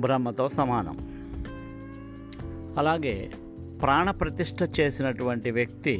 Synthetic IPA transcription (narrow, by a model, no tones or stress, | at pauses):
bʱɾɐmːɐt̪o̞ːsɐmaːnɐ̰m | ɐlaːɡe̞ː | pɾaːɳɐpɾɐt̪iʂʈʰɐt͡ʃe̞ːsinɐʈuʋɐɳʈiʋjɐk̚t̪i